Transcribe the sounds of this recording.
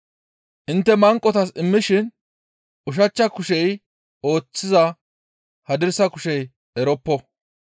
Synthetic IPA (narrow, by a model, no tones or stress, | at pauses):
ʔɪnt̪ːɛmɐŋkʼːɔt̪ɐsɪmːɪʃɪn | ʔʊʃ̬ɐt͡ʃːɐkʊʃɛj | o̞ːt͡sːɪzɐ | hɐd̪ɪɾsɐkʊʃɛj | ɛɾɔpːɔ